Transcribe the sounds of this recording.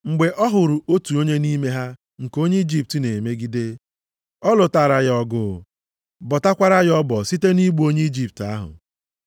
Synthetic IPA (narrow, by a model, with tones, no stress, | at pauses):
ŋ͡m̩˨ɡ͡be˨ʔɔ˦ɦʊ˨ɾʊ˨o˦tu˨o˦ɲe˦ni˦me˦ɦa˦ | ŋ̩˨ko˦ɲe˦i˦d͡ʒi˦p̚ti˨ne˨me˦ɡi˦de˦ | ɔ˦lʊ˨taː˨ɾa˨ɣɔ˦ɡʊ˦˨ | bɔ˨ta˦kʷa˦ɾa˦jɔ˦bɔ˨si˦te˦ni˦ɡ͡bo˦ɲe˦i˦d͡ʒi˦˨p̚ta˦ɦʊ̰˨